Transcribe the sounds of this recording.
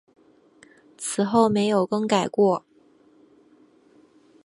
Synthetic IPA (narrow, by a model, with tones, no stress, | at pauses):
t͡sʰɹ̩˨˩xo˥˩ʊme˧˥ɪjo˨˩ʊkɤ˥ŋka˨˩ɪkwɔ˥˩